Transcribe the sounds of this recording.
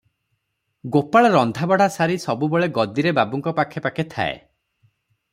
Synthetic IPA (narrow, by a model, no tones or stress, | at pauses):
ɡopaɭɔɾɔnd̪ʱabɔɽ̤asaɾisɔbubeɭeɡɔd̪iɾebabuŋkɔpakʰːepakʰet̪ʰa̰ḛ